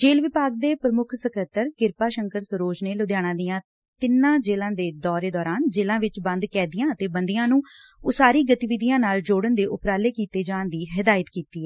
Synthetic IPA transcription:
d͡ʒeːlʋɪpaːɡ̚d̪eːpɾəmʊkʰsəkət̪əɾkɪɾpaːʃəŋkəɾsəɾoːd͡ʒneːlʊd̪jaːɽ̃ãːd̪ijãː | t̪ɪnːãːd͡ʒeːlãːd̪eːd̪ɔːɾeːd̪ɔːɾaːnd͡ʒeːlãːʋɪt͡ʃbə̃nd̪kɛːd̪ɪjãːət̪eːbənd̪ijãːnũː | ʊsaːɾiːɡət̪iːʋɪd̪ijãːnaːld͡ʒoːɽənd̪eːʔʊpɾaːleːkiːt̪eːd͡ʒaːnd̪iːɦɪd̪aːjət̪kiːt̪iːɦɛː

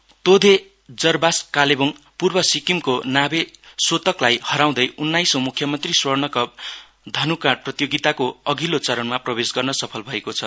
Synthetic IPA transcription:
t̪od̪ʱe | d͡zʌrbaskaleboŋ | purbʌsikimkonabesot̪ʌklajhʌɾaw̃d̪ʌjunːajsomukʰjʌmʌnt̪riswʌrnʌkʌb | d̪ʱʌnukãɽ̚prʌt̪joɡit̪akoʌɡilot͡sʌɾʌnmaprʌbesɡʌrnʌsʌpʰʌlbʱʌekot͡sʰʌ

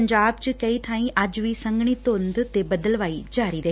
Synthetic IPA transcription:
ɲd͡ʒaːb̚t͡ʃəkɐit̪ʰãːĩʔɐd͡ʒʋiːsɐ̃ŋɡɳ̃it̪õnd̪t̪ebɐd̪əlʋaːid͡ʒaːɾiɾɐ

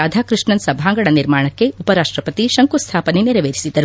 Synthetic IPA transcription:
aːd̪ʱaːkɾɨʂɳɐnsɐbʱaːŋɡɐɽɐniɾmaːɳɐkːe̞upɐɾaːʂʈɾɐpɐt̪iʃɐŋkust̪ʰaːpɐneniɾɐʋeːɾisid̪ɐɾu

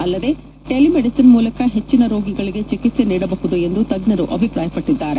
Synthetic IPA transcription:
ɐlːɐd̪e̞ | ʈelimeɽisinmuːlɐkɐɦe̞t͡ʃːinɐɾoːɡiɡɐɭiɡe̞t͡ʃikit̪se̞niːɽɐbɐɦud̪ue̞nd̪ut̪ɐɡnɐɾuʔɐbʱipɾaːjɐpɐʈːid̪ːaːɾe

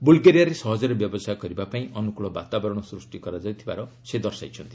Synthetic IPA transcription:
bulɡeɾijaɾesʌɦʌd͡zeɾebjʌbɔsajɡʌɾibapaĩʌnukuɭɔba̰t̪abʌɾɽ̃ɔsrusʈikʌɾad͡zʌjt̪ʰiba̰ɾʌsed̪ʌrsa̰jt͡sʰʌnt̪i

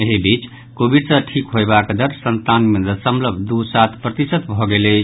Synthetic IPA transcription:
eɦibit͡ʃ | kobiɖsə̃ʈʰikɦoebakd̪əɾsənt̪anmed̪əsəmləbʱd̪usat̪ʰpɾət̪isət̪bʱɔɡele

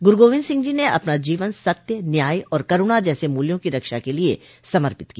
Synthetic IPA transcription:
ɡʊɾɡoːʋɪ̃nsɪ̃ŋɡd͡ʒineʔɐ̰pnad͡ʒiːʋənsɐk̚t̪jənjaːiɔːɾkɐɾʊɽ̃ad͡ʒɛːsemuːljõkiɾɐkʃakelie | sɐməɾpɪt̪kiaː

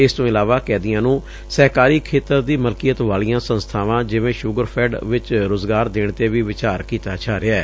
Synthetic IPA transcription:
ɪst̪õːɪlaːʋaːkɛːd̪ɪjãːnũː | sɛːkaːɾiːkʰeːt̪əɾd̪iːməlkijət̪ʋaːɭijãːsənst̪ʰaːʋãːd͡ʒɪʋẽːʃʊɡəɾpʰɛːɖʋɪt͡ʃɾoːzɡaːɾd̪eːɳt̪eːʋiːʋɪt͡ʃaːɾkiːt̪aːt͡ʃʰaːɾɪɛː

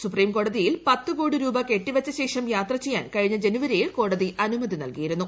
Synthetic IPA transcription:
supriːmko̞ːɽɐðijilpɐt̪ːɨkuːɽiɾuːbɐke̞ʈːiʋɐt͡ɕːɐɕe̞ːʂɐmjaːt̪rɐt͡ɕe̞jːa̰ːnkɐɻiɲːɐd͡ʑe̞nuʋɐɾijiɭko̞ːɽɐðiʔɐnumɐðinɐ̰lkijiɾunːu

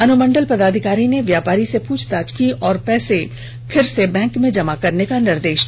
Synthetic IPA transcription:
ɐnʊmə̃ɳɖəlpɐd̪aːd̪ʱɪkaːɾineʋjaːpaːɾisepuːt͡ʃʰt̪aːt͡ʃkiʔɔːɾpɛːse | pʰɪɾsebɛ̃ːŋkmẽd͡ʒɐmakɐɾnekanɪɾd̪eːʃ

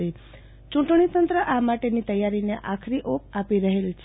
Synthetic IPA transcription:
ɾi | t͡ʃũʈɳ̃it̪ənt̪ɾəʔamaʈenit̪əjːaɾineʔakʰɾiʔop̚apiɾəɦelt͡ʃʰ

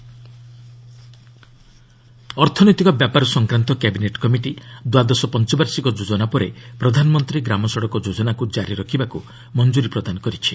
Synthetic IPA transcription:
ɔɾt̪ʰɔnɔjt̪ikɔbjapaɾɔsɔŋkɾant̪ɔkɛbineʈkɔmiʈid̪wad̪ɔsɔpɔnt͡ʃɔbaɾsikɔd͡ʒod͡ʒɔnapɔɾepɾɔd̪ʱanɔmɔnt̪ɾiɡɾamɔsɔɽɔkɔd͡ʒod͡ʒɔnakud͡ʒaɾiɾɔkʰibaku | mɔnd͡ʒuɾipɾɔd̪anɔkɔɾit͡ʃʰi

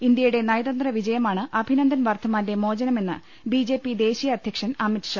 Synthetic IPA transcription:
ind̪jɐjuɽe̞nɐjɐðɐnd̪rɐʋid͡ʑɐjɐmaːɳɨʔɐbʱinɐnd̪ʱɐnʋaːrt̪ʰɐmaːndemo̞ːd͡ʑɐnɐme̞nːɨ̰ | bid͡ʑe̞ːpːid̪e̞ːɕijɐɐd̪ʱjɐkʂɐnɐmitʂɐ

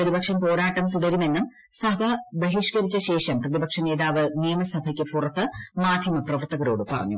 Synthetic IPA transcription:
rɐðibɐkʂɐmpo̞ːɾaːʈːɐmt̪uɽɐɾume̞nːum | sɐbʱɐbɐɦiʂkɐɾit͡ɕːɐɕe̞ːʂɐmprɐðibɐkʂɐne̞ːðaːʋɨnijɐmɐsɐbʱɐkʲːɨpurɐt̪ːɨmaːd̪ʱjɐmɐprɐʋɐrt̪ɐɣɐɾo̞ːɽɨpɐrɐ̰ɲːṵ

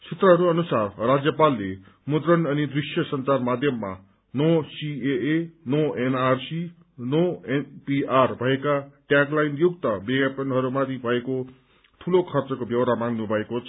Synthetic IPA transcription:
sʰit̪rʌɦʌɾuʌnusarrad͡zjʌpalːe | mud̪rʌnʌnid̪risjʌsʌnt͡sarmad̪ʱjʌmːa̰ | nosieenoenarsi | noenpiarbʱʌekaʈjaklajnjuɡt̪ʌbeɡapʌnɦʌɾumat̪ʰibʱʌeko | t̪ʰulokʰʌrt͡sʌkobjʌwɾamaŋɡnubʱʌekot͡sʰʌ

